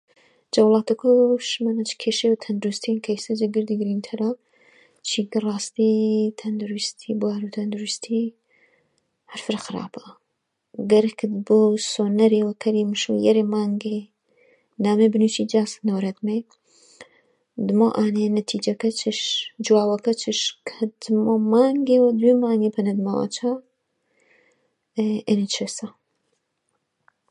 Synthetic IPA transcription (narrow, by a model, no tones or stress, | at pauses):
d͡ʒɐwlˠɑːt̪ʰɐkʰoʃmɐnɐt͡ʃkʰeːʃewt̪ʰɐnd̪uɾust̪ʰinkʰɐisɐd͡ʒeɡɨɾd̪iɡɾint̪ʰɐɾa | t͡ʃʰiːkɨrˤɑːst̪it̪ʰɐnd̪uɾɨst̪ʰibwaːɾut̪ʰɐnd̪uɾust̪ʰi | hɐɾfɨɾxɨɾa̰ːpɐ̥ | ɡɐɾkʰɨd̪bosoːnɐɾewɐkʰɐɾimɨʃṵjɛɾemaːŋɡe | naːmebɨnut͡ʃid͡ʒaːsnowɾɐt̪me | d̪ɨmoʔaːnenɐt̪ʰiːd͡ʒɐkɐt͡ʃʰɨʃd͡ʒuwaːwɐkɐt͡ʃʰɨʃkʰɐd̪ɨmomaːŋɡewɐd̪wemaːŋɡepʰɐnɐd̪mɐla̰t͡ʃʰa | ʔeniesɐ